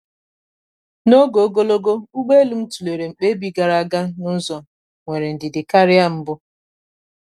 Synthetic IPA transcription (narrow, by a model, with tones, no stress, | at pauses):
no˦ɡo˨˦ɡo˦lo˦ɡo˦u˦ɡ͡be˦lu˦m̩˦tu˨le˨ɾe˨ŋ͡m̩˨k͡pe˦bi˦ɡa˨ɾa˦˨a˦ɡa˦nʊ˦zɔ˨ | ŋʷe˨ɾe˨n̩˨dɪ˨dɪ˨ka˦ɾɪ˦a˦˨m̩˦bʊ˦